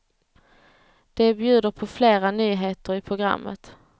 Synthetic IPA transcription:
d̪̥ɛbjʉ̟ːd̪əɾpʰɔfleːɾanyːɦeːt̪əɾɪpʰɾʊɡɾa̰mːə̰t̪

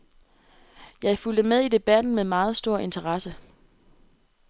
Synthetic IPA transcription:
jɑ̈ɪfuld̥əmeðˠid̥e̝b̥æd̥n̩memɑ̈ːð̞̩ˠsd̥o̝ɐ̰ʔe̝nt͡sʰɐʁɑ̈sə

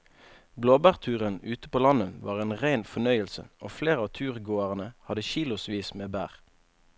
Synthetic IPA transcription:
bloːbæːʁt̪ʰʉːʁənʉːt̪ə̥poːlɑnəʋɑ̰ːʁeːnʁæɪnfɔnœʏəlsə̰oːfleːʁəɑːt̪ʰʉːʁɡoːəʁənəhɑd̪əʃiːlʊsʋiːsmeːbæ̰ːʁ

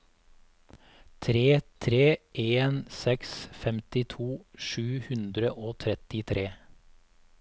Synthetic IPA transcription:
t̪ʰɾeːt̪ʰɾeːʔeːnsɛksfɛmt̪ɪt̪ʰuːʃʉːhʉnd̪ɾəʔoːt̪ʰɾɛt̪ɪt̪ʰɾeː

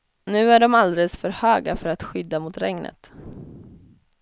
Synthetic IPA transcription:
nʉ̟ːæɖɔmald̪ɛləsfœɾhøːɡafœɾat̪ɧʏd̪ːamʊt̪ɾɛŋnʔə̰t̪

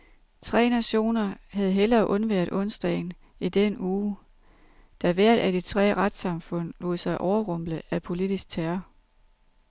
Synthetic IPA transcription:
t͡sʰʁɛ̰ːnæɕo̝̰ːnɐhæð̞ˠɦelɐːʔɔ̽nʋeɐ̰d̥ɔ̽nsd̥ɛ̰ɪn | id̥enuː | d̥æʋæɐ̰d̥æd̥it͡sʰʁɛ̰ːʁad̥sɑ̈mfɔ̽n̰lo̝ːð̩ˠsɑ̈ɪʔɒʊɐʁɔ̽m̰b̥ləæpʰo̝lid̥isɡ̥̚t͡sʰæːɐ

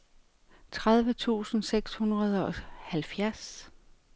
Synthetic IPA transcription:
t͡sʰʁað̞ˠʋət͡sʰṵːsn̩seɡ̥shunʁɐð̞ˠɒ̽hælfjæɐs

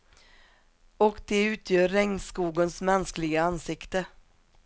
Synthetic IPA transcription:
ɔkd̪ɛʉ̟ːt̪ʰjœːɾːɛŋnskuːɡənsmɛnsklɪɡaansɪkt̪ə

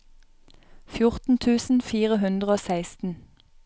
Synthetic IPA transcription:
fjʊʁt̪n̩t̪ʰʉːsn̩fiːʁəɦʉnd̪ʁəoːsæɪst̪n̩

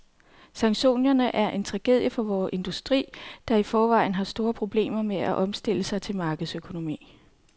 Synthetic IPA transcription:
sɑ̈ŋɕo̝̰ːnɐnəʔæɐʔe̝nt͡sʰʁɑ̈ɡ̥e̝ð̰ˠjəfɒ̽ʋɒːʔe̝nd̥usd̥ʁḭːd̥ɑ̈ifɒːʋɑ̈ɪ̰n̩ɦɑ̈sd̥o̝ːɐpʰʁo̝b̥le̝̰ːmɐmeæʔɒ̽msd̥e̝ləsɑ̈ɪt͡sʰe̝lmɑ̈ːɡ̥əð̩ˠsøkʰo̝no̝mḭː

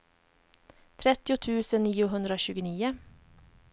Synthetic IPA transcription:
t̪ʰɾɛt̪ɪʊt̪ʰʉːsənniːʊɦɵnd̪ɾəoːɕʉːɡəniːə

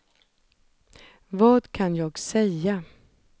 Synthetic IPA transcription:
vɑːd̪kʰanjɑːɡsɛja

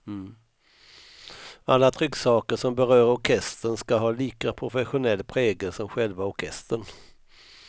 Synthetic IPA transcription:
m̩ː | alːat̪ʰɾʏkːsɑːkəɾʂɔmbɛɾœːɾɔɾkʰɛst̪ənskaɦɑːliːkapʰɾʊfɛɧʊnɛlːpʰɾɛːɡəsɔmɧɛlvaɔɾkʰɛst̪əɳ

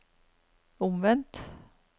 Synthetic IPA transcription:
ɔmvɛnt̪

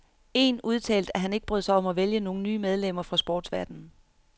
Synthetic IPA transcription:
e̝̰nuð̞ˠt͡sʰɛ̰ːld̥æɦæne̝ɡ̥̚b̥ʁœðˠsɑɒ̽mæʋeljəno̝ːn̩nyːmeð̞ˠlem̰ɐfʁɑ̈sb̥ɒ̰ːd̥sʋæɐ̰d̥n̩

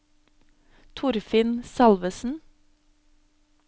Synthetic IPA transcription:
t̪ʰʊɾfɪnsɑlʋəsn̩

